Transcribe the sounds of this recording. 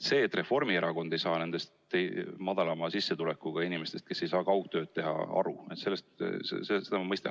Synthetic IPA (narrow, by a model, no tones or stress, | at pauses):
se̞ːt̪ːˑre̞fo̞rmieɾɑko̞nd̪e̞jsɑːne̞nd̪̥e̞st̪emɑd̪ɑlɑmɑsisːet̪ulekːˑuɡ̥ɑinime̞st̪e̞st̪̚ke̞sːe̞jsɑːkɑwɡt̪ø̞ːd̪̚t̪e̞ɦɑ̰ɑ̰ɾue̞t̪se̞lːest̪sesese̞d̪ɑmɑmɤjst̪ɑ̰n